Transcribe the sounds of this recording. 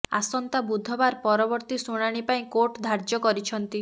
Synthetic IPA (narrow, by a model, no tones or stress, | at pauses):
a̰sɔnt̪abud̪ʱɔbaɾpɔɾɔbɔɾt̪isuɽ̃aɽ̃ipaĩkoʈd̪ʱaɾd͡ʒɔkɔɾit͡ʃʰɔnt̪i